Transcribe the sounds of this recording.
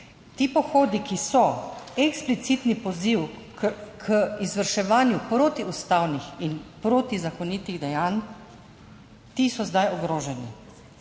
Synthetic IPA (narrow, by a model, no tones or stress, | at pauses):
t̪ipɔxoːd̪ikisɔɛksplit̪sit̪nipɔziw | kʰəizʋəɾʃɛʋaːnjupɾoːt̪iust̪awnixinpɾoːt̪izakɔnit̪iɣd̪ɛjan | t̪isɔzd̪ajɔɡɾoːʒɛnḭ